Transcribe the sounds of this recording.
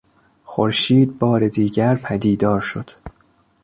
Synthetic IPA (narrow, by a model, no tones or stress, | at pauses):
xoɾʃiːd̪̚bɒːɾed̪iːɟæɾpʰæd̪iːd̪ɒːɾʃod̪̥